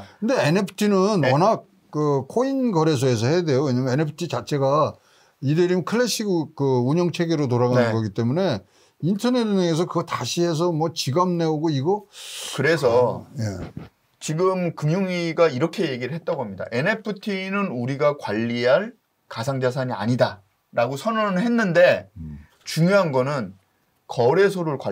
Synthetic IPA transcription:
kʰɯnde̞enepʰɯ̥tʰinɯnʌnak͈̚ːɯkʰoinɡʌɾe̞s̬ʰʌɦe̞s̬ʰʌɦe̞jade̞jowe̞ɲamjʌenepʰɯ̥tʰit͡ɕat͡ɕʰe̞ɡa | ideɾimkʰɯɭːeɕ͈iɡkɯuɲjʌŋt͡ɕʰe̞ɡeɾot̬oɾaɣanɯnɡʌɡit͈e̞mune̞ | intʰʌneɾʰɯnʌŋe̞s̬ʰʌkɯɡʌtaɕʰiɦe̞s̬ʰʌmwʌt͡ɕiɡamne̞oɡoiɡʌkɯɾe̞s̬ʰʌje̞̰ | t͡ɕiɡɯmkɯŋjoŋiɡaiɾʌkʰe̞je̞ɡiɾɯɭɦe̞t̚t͈aɡoɦamɲida̰ʔe̞ne̞pʰɯtʰinɯnuɾiɡakwaʎːiɦaɭ | kasʰaŋd͡ʑas̬ʰaɲia̰ɲida | ɾaɡosʰʌnʌnɯɭhenːɯnde̞ | t͡ɕuŋjoɦanɡʌnɯn | kʌɾe̞sʰoɾuɭkwa

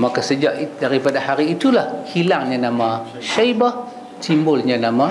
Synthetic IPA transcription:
makasəd͡ʒaʔidaɾipadahaɾiːt̪ulahhilaŋɲãnama | ʃajbah | t̪imbʊlɲanama

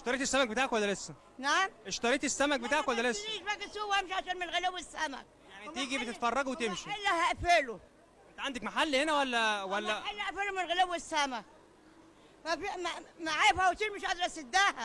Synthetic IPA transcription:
ʔeʃt̪ɑɾiːt̪esːæmæk̚bet̪aːʕkwælːælesːæ | naʕamʔeʃt̪ɑɾˤiːt̪esːæmæk̚bet̪aːʕkwælːælesːiʃmæɡæsuwæmeʃʕaʃæːnmɪnɣelewesːæmæ̰ | jaʕnit̪iːɡibet̪et̪fɑrˤːɑɡwet̪emʃielːæhæʔfelo | ʔent̪æʕand̪ækmaħalːhenæwælːæwælːæelːæʔæfelomɪnɣelewːesːæmæ | fæfimamaʕajefhæwt̪iːlmeʃʔɑd̪ɑɾʔæsed̪ːæːhæ

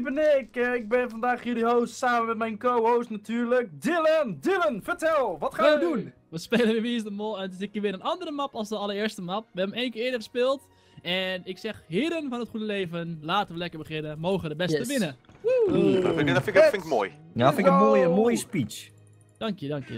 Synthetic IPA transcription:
bənɪkɪɡ̚bɪnfɔndaːχhidiɦowstsaːmənmɛtmɛjnkowowsnatyːɹlək̚dɪləndɪlənfəɹtɛlˠʋɔtχaːədun | ʋəspejlənʋɪːʋiəsdəmolˠɛntɪsɪkʋɪːɾənɑndərəmɑpɑlˠsdəɑləɹɪːəɹstəmɑp̚ʋəɛbəmejnkɪːɪːdəχəspɪːlˠt | ɛnɪksɛχhɪəɾənfɔnətχudəleːvənlaːtənʋəlɛkəɹbəχɪnəmowχəədəbɛstəʋɪnə | fɪfɪnkmo̰ːjjafɪnəmoːjəmoːjəspit͡ʃ | d̥ɑŋkjədɑŋkjə̰

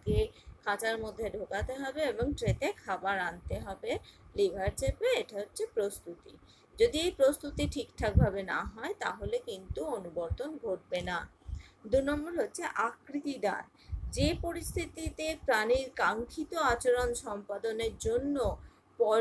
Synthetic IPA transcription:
kekʰat͡ɕaɾmod̪ʱːeɖʱokat̪eɦɔbeeboŋʈɾet̪ekʰabaɾant̪eɦɔbelibʱaɾd͡ʑebeeʈaɦotːɕʰepɾost̪ut̪i | d͡ʑod̪iejpɾost̪ut̪iʈʰikʈ̪ʰak̚bʱabena̰ɦɔet̪a̰ɦolekint̪uonuboɾt̪onɡʱoʈ̚benad̪unɔmboɾɦotːɕʰeʔakɾit̪id̪a̰ɾ | d͡ʑepoɾist̪ʰit̪it̪epɾaniɾkaŋkʰit̪oat͡ɕoɾonʃɔmpad̪oneɾd͡ʑonːo | pɔ

